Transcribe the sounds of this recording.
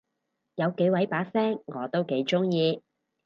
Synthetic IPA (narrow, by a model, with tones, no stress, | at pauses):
jɐ˨˧wke˨˧˥jwɐ˨˥jpaː˨˥sɛː˥ŋːɔː˨˧t̪o˥wke˨˥jt͡ʃʊ˥ŋjiː˧